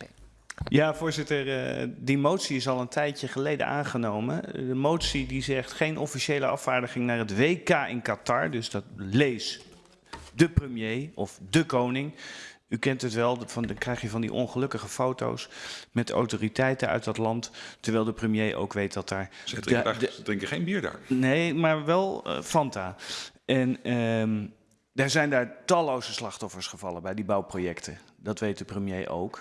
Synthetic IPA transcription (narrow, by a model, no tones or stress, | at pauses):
jaːvʊːɹzɪtəɹdimowtsiɪsɑlˠəntɛjcəχəlejdə̰ʔa̰ːnχənowmə̰ndəmowtsidizɛχtχejnʔɔfiʃejləʔɑ̰faːɹdəχɪŋnaːɹɦətʋejkaːʔɪnkatɑɹdɵzdɑtlejs | dəprəmjejɔfdəkownɪŋykɛntətʋɛlˠkrɛjχjəvɑndḭʔɔ̰nχəlɵkəχəfowto̰wsmɛta̰wtoːritɛjtənœ̰ɥt̚dɑtlɑnttəɹʋɛjlˠdəprəmjejʔo̰wkʋejt̚dɑtaːɹ | ədɪ̃ŋkəχejnbiːɹda̰ːɹnejmaːɹʋɛl̰ˠfɑntaːʔɛnə | daːɹzɛjndaːɹtɑlowzəslɑχtɔfəɹsχəvɑlˠəbɛjdibɑwprojɛktʰə | dɑtʋejt̚dəprəmjejʔo̰wk